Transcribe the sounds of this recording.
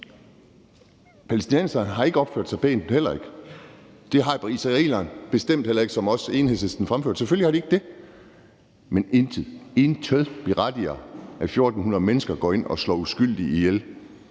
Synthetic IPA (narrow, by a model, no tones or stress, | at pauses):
pʰælesd̥inensɐnɦɑ̈e̝ɡ̥əɒb̥føɐd̥sɑ̈ɪb̥ḛːn̩hel̰ɐe̝ɡ̥ə̥ | d̥e̝ɦɑ̈pʰɑisʁɑḛlɐnb̥e̝sd̥em̰d̥hel̰ɐe̝ɡ̥sɒ̽mɒ̽se̝ːnhesesd̥n̩fʁamføɐd̥sefølihɑ̈d̥ɾie̝ɡ̥d̥e̝ | menenʰie̝nt͡sʰøðˠb̥iʁɑd̥iɐæfjo̝ɐːd̥n̩hunɐð̩ˠmenəsɡ̥ɐɡ̥ɒ̰ːe̝n̰ɒ̽slɒ̰ːusɡ̥yl̰d̥iijel